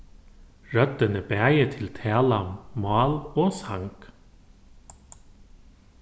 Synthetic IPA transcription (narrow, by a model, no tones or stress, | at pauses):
ɹœt̪ːənəbæːjət̪ʰɪlt̪ʰɛːlammɑːloːsaŋk